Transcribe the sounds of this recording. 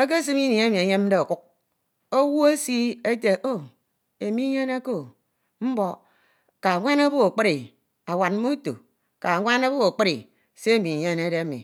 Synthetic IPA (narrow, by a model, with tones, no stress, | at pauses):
a˦k̬e˦s̬ɨ˦mi˦ni˨e˦mi˨e˨˦ɲe˦m̩˦de˦o˨ku˦k̚ | o˦wu˦e˦si˦e˦te˨ʔo˦ | e˨mi˦ɲe˦na˦ko˦˨ | m̩˦bo˨ | ka˨ŋʷa˦na˦bo˦o˨k͡pi˦ɾi˨ | a˨wa˨t̚mo˦to̰˨ | ka˨a˨ŋʷa˦na˦bo˦o˨k͡pɨ˦ɾi˨ | se˦e˦mi˨ɲe˦ne˦de˦a˦mḭ˨